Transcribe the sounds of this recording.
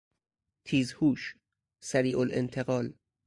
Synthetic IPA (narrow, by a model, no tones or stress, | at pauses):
t̪ʰiːzhuːʃ | sæɾiːʔolḛnt̪ʰe̞ɣɒːl